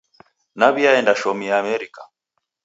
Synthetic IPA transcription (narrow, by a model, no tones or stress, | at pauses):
naβiaɛndaʃɔmiamɛɾika